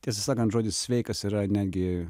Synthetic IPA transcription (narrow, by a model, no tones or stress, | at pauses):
tʲiɛsɐsɑːkɐnt̪ʒuɔd̪ʲɪssʲʋʲɛɪkɐsiːɾɐnʲæːd̪ʲɡʲɪ